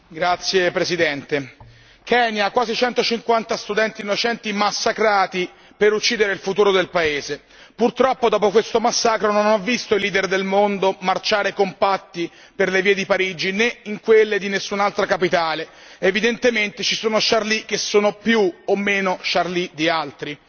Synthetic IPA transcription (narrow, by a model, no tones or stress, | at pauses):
ɡɾat̪sːjepɾesid̪ɛnt̪e | kʰɛːnjakwaːzit͡ʃɛnt̪ot͡ʃiŋkwant̪ast̪ud̪ɛnt̪inːot͡ʃɛnt̪imasːakɾaːt̪i | peɾut͡ʃːiːd̪eɾeilfut̪uːɾod̪elpaeːze | purt̪ɾɔpːod̪ɔːpokwest̪omasːaːkɾononɔvːist̪oiliːd̪erd̪elmond̪omart͡ʃaːɾekompat̪ːi | perleviːed̪ipaɾid͡ʒineiŋkwelːed̪inesːunalt̪ɾakapit̪aːle | evid̪ent̪ement̪et͡ʃisoːnoʃarlik̟ːesːoːnopjuomːeːnoʃarlid̪ialt̪ɾi